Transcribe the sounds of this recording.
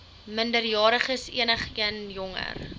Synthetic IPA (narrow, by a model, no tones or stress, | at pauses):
məndərjɑːɾəχəsḭənəχiənjɔŋə̰r